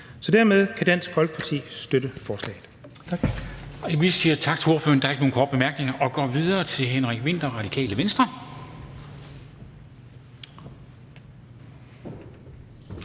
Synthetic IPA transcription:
sɒ̽d̥æɐmeð̞ˠkʰæd̥æn̰sfɒ̽lɡ̥ə̥pʰɑ̈t͡sʰḭːsd̥øɾ̥əfɒːslɛ̰ɪð̩ˠ | ɒiʋi̥siːɐt͡sʰɑ̈ɡ̥t͡s̝ʰo̝ɐfø̰ɐnd̥ɑ̈ɐeɡəo̝ːnkʰɒ̰ːd̥bemæɐɡ̥ne̝ŋɐʔɒ̽ɡ̥ɒ̰ːʋiðˠɐːt͡sʰe̝lɦenʁaɡ̥ʋe̝n̰d̥ɐʁɑ̈ɾ̥ikʰɛ̰ːləʋensd̥ʁɐ

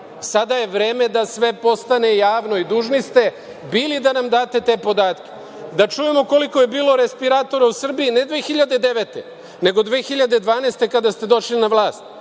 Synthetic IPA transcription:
sad̪aje̞ʋɾeːme̞d̪asʋe̞po̞st̪ane̞jaːʋno̞id̪uːʒnist̪e̞ | biːlid̪anamd̪aːt̪e̞t̪e̞ːpo̞d̪aːt̪kʲe̥ | d̪at͡ʃujemo̞ko̞liko̞je̞biːlo̞ɾe̞spiɾaːt̪o̞ɾausr̩biːne̞d̪ʋeːxiʎad̪ed̪e̞ʋet̪e | ne̞ɡo̞d̪ʋeːxiʎad̪e̞d̪ʋaːneːst̪e̞kad̪ast̪e̞d̪o̞ʃlinaʋlˠaːst̪̚

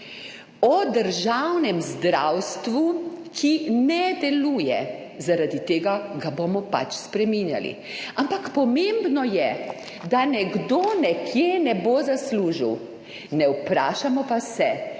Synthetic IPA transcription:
ɔd̪əɾʒawnɛmzd̪ɾawst̪ʋukʰinɛd̪ɛluːjɛ | zaɾad̪it̪eːɡaɡabomɔpa̰t͡ʃspɾɛminja̰lḭ | ampakpɔmembnɔjɛ | d̪anɛɡd̪onɛkʰjenɛbozasluːʒḭw | nɛwpɾaːʃamɔpasɛ

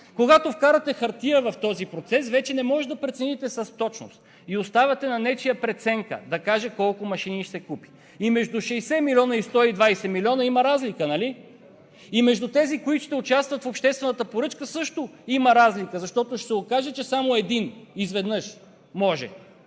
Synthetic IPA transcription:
koɡat̪ofkaɾɐt̪ɛxɐɾt̪iəvɐft̪ɔzipɾot̪sɛsvɛt͡ʃɛnɛmɔʒɛd̪ɐpɾɛt̪sɛnit̪ɛsɐst̪ɔt͡ʃno̰st̪ | iost̪avʲɐt̪ɛnɐnɛt͡ʃijəpɾɛt̪sɛŋkə̰d̪ɐkaʒɛkɔlˠkʊmɐʃiniʃsɛkupi̥ | imɛʒd̪uʃɛjsɛmilʲiɔnɐist̪ɔid̪vajsɛmilʲiɔnɐimɐɾazlikənɐli | imɛʒd̪ut̪ɛzikoit̪o̥ʃt̪ɛʊt͡ʃast̪vɐt̪fopʃt̪ɛst̪vɛnət̪əpoɾɤt͡ʃkəsɤʃt̪ʊimɐɾazlikəzɐʃt̪ɔt̪oʃsɛokaʒɛt͡ʃɛsamoɛd̪inizvɛd̪nɤʃ | mɔʒɛ̰

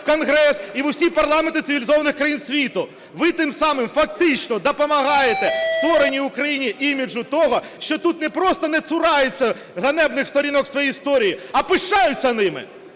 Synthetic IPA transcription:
kɔnɣɾɛsiʋʊwsʲipɐrlˠɑment̪ɪt̪sɪʋʲɪlʲɪzɔʋɐnɪxkɾɐjinsʲʋʲit̪ʊ | ʋɪt̪ɪmsɑmɪmfɐk̚t̪ɪt͡ʃnɔd̪ɔpɔmɐɦɑjet̪ɛst̪ʋɔɾenʲːiʊkɾɐjinʲiʔimʲid͡ʒʊt̪ɔɦɔ | ʃt͡ʃɔt̪ut̪nɛpɾɔst̪ɔnɛt̪sʊɾɑjʊt͡sʲːɐ | ɣɐnɛbnɪxst̪ɔɾʲinɔksʋɔjiːjst̪ɔɾʲijiɐpɪʃt͡ʃɑjʊt͡sʲːɐnɪmɪ̰

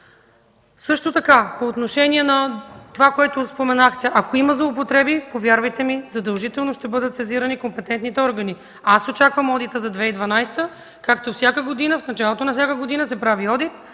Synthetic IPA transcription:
sɤʃt̪ot̪ɐkapoːt̪noʃɛnʲiɛnɐt̪ovakoɛt̪ospomɛnaxt̪ɛʔɐkoimɐzlˠoop̬ot̪ɾɛbipovjaɾvɐjt̪ɛmizɐd̪ɐlˠʒit̪ɛlˠnoʃt̪ɛbɤd̪ət̪sɛziɾɐnikompɛt̪ɛnt̪nit̪ɛɔɾɡəni | asot͡ʃakvəmɔd̪it̪əzɐd̪vɛid̪vɐnajst̪ə | kakt̪ofsʲjakəɡod̪inəfnɐt͡ʃalˠot̪onɐfsʲakəɡod̪inəsɛpɾaviɔd̪it̪̚

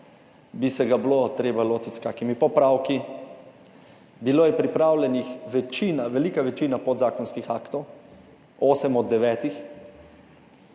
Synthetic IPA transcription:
bisɛɡablot̪ɾeːbaloːt̪it̪skaːkimipɔpɾaːwki | biloːjɛpɾipɾaːwlɛnixʋɛt͡ʃiːnaʋɛliːkaʋɛt͡ʃiːnapɔd̪zaːkɔnskixaːkt̪ɔw | oːsɛmɔd̪ːɛʋɛːt̪ix

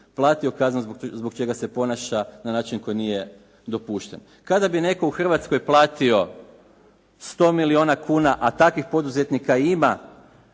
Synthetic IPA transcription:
plˠaːt̪io̞kaznuzzbo̞kt͡ʃe̞ɡase̞po̞naʃananaːt͡ʃinko̞jnije̞ | d̪o̞puːʃt̪e̞̰n | kad̪abine̞ko̞uxr̩ʋat̪sko̞jplˠaːt̪io̞ | st̪o̞ːmilio̞ːnakʰuːnaʔat̪akʋixpo̞d̪uze̞t̪nikaima

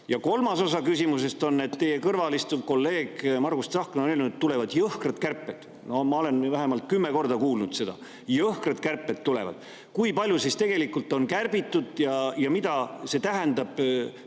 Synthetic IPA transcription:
jɑko̞lmɑso̞sɑkysʲimuse̞st̪o̞nːe̞t̪ːe̞jekɤrvɑlist̪uko̞lːe̞ːɡ̥mɑrɡ̥ust̪sɑhknonelnd̪et̪ːule̞vɑd̪̥jɤhkrɑd̪̥kærpːˑe̞t̪ | no̞mɑo̞le̞nvæɦemɑlt̪̚kymːeko̞rd̪ɑkuːlnud̪̥se̞d̪ɑ̰ | jɤhkrɑt̪kærpːˑet̪ːule̞̰vɑ̰d̪̥ | kujpɑlʲjusist̪e̞ɡ̥e̞likult̪ːˑo̞nkærb̥it̪ːˑud̪̥jɑjɑmid̪ɑse̞t̪æɦɛnd̪ɑb̥

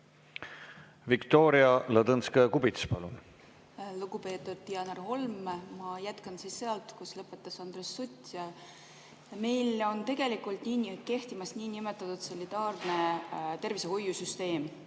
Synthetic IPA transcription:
vikt̪o̞ːɾiɑlɑd̪ɤnskekubit̪spɑlṵn | luɡupe̞ːt̪ːud̪̥̚t̪iɑnɑrho̞lmmɑjæt̪kɑnsiːsːeɑlt̪ˑkuslɤpːˑe̞t̪ːˑɑsɑnd̪resːut̪ʲjɑ | me̞jlo̞nt̪e̞ɡ̥e̞likˑult̪niːnke̞ht̪imɑsniːnimet̪ːˑɑt̪ːud̪̥solʲit̪ɑːrnet̪e̞rvise̞hojːusyst̪e̞ːm

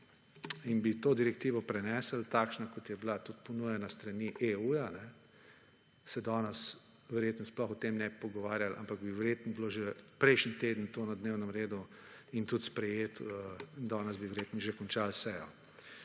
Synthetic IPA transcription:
inbit̪oːd̪iɾɛkt̪iːʋɔpɾɛnɛːsəlt̪aːkʃnakɔt̪jɛblat̪ut̪pɔnujɛnast̪ɾɐniʔeujanɛ | sɛd̪ɔːnɛs | ʋɛɾjeːt̪n̩ɔsplɔxɔt̪emnɛpɔɡɔʋaːɾjalʔa̰mpaɡbiʋɛɾjeːt̪nɔbloʒɛpɾɛjʃnit̪eːd̪ənt̪oːnɐd̪neːwnɛmɾeːd̪u | int̪ut̪spɾɛjeːt̪əd̪ɔːnɛsbiʋɛɾjeːt̪nɔʒekɔnt͡ʃalsɛjɔ̰

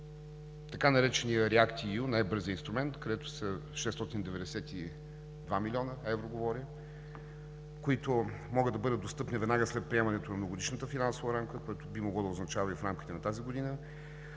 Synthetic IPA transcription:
t̪ɐkanɐɾɛt͡ʃɛnijəɾɛakt̪ijunajbɤɾziəinst̪ɾʊmɛnt̪kɐd̪ɛt̪ʊ̥səʃɛst̪ɔt̪ind̪ɛvɛd̪ɛsɛt̪i | d̪vamilʲiɔnəɛvɾoɡovɔɾʲə | koit̪omɔɡəd̪d̪ɐbɤd̪əd̪d̪ost̪ɤpnivɛd̪naɡəslɛt̪̚pɾiɛmɐnɛt̪onɐmnovoɡod̪iʃnət̪əfinansovəɾamkəkoɛt̪obimoɡlˠɔd̪əʊznɐt͡ʃavɐifɾamkʲit̪ɛnɐt̪aziɡod̪inə

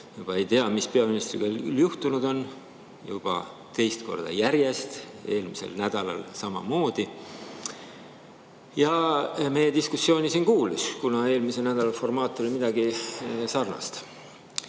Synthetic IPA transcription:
jub̥ɑe̞jt̪e̞ɑmispe̞ɑminist̪rḭɡ̥ɑljuht̪unud̪̥o̞n | jub̥ɑ̰ | t̪e̞jst̪ko̞̰rd̪̥ɑ̰jæɾje̞st̪e̞ːlmisḛlnæd̪̥ɑlɑ̰lsɑmɑ̰mo̞ːd̪̥i | jɑme̞je̞d̪iskusːjo̞ːnisiːnkuːluskunɑe̞ːlmisenæd̪̥ɑlɑlfo̞rmɑːt̪ˑːo̞limid̪̥ɑɡisɑrnɑ̰st̪

